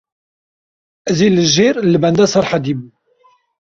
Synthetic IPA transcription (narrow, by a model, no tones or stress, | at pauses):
zilːəʒiɾlbænd̪æsɑɾˤħad̪im